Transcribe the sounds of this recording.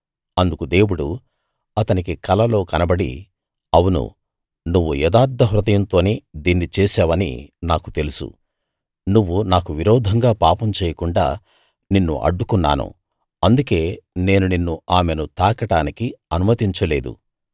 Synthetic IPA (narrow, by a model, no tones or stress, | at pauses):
ɐnd̪ukud̪e̞ːwuɽu | ɐt̪ɐnikikɐlɐlo̞ːkɐnɐbɐɽḭ | ɐwunṵ | nuʋːujɛd̪aːɾd̪ʱːɐɦɾud̪ɐjɐnt̪o̞ːniːd̪iːnːit͡ʃɛːsaːʋɐnḭnaːku̥t̪elusṵ | nuʋːunaːkuʋiɾɔːd̪ʱɐŋɡaːpaːpɐmt͡ʃeɛːjɐkuɳɖa̰ː | ninːṵʔɐ̰ɖːukunːa̰ːnṵ | ɐnd̪uke̞ːne̞ːnuninːuaːmenut̪aːkɐʈaːnikiɐnumɐt̪iɲt͡ʃɐle̞ːd̪ṵ